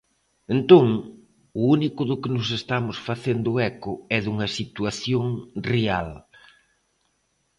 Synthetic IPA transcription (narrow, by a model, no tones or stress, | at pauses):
ent̪oŋ | ʊunikʊðʊkɪnʊs̬est̪amʊsfaθend̪ʊɛkʊɛðuŋɐsit̪uaθjoŋreal